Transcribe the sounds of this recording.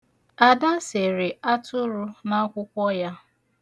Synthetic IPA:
a˨da˦se˨ɾɪ˨a˦tʰʊ˦ɾu˦na˦kʷʊ˦kʷɔ˦ja˦

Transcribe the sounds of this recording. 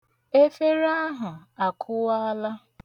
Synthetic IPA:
e˦fe˦ɾa˦ɦʊ˨a˨kʰʊ˦wa˦la˦

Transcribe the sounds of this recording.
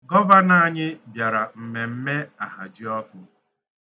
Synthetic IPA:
ɡɔ˦va˦na˦˨ɲɪ˦bja˨ɾa˨m̩˨me˨m̩˦me˦a˨ɦa̰˨d͡ʒi˦ɔ˦kʊ˦

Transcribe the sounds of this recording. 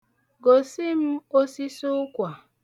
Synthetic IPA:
ɡo˨si˦m̩˦o˦si˦sʊ˦kʷa˨

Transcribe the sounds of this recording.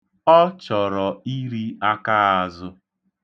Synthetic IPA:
ɔ˦t͡ʃɔ˨ɾɔ˨i˦ɾi˦a˦ka˦a˨zʊ˦

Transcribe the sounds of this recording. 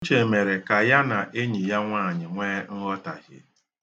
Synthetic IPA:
n̩˦t͡ʃe˨me˨ɾe˨ka˨ja˦na˨ʔe˦ɲi˨ja˦ŋʷaː˦˨ɲɪ˨ŋʷeː˦ŋ̩˦ɣɔ˦ta̰˨ɦɪ̰˦

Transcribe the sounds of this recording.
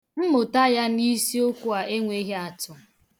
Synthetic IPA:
m̩˦mʊ˨ta˦ja˦ni˦si˦o˦kʷu˦a˨e˦ŋʷe˦ɦe˦a˨tʊ˨

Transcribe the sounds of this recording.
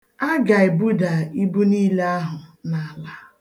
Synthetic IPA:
a˦ɡa˨e˨bu˦da˨i˦bu˦niː˦la˦ɦʊ˨na˨a˨la˦

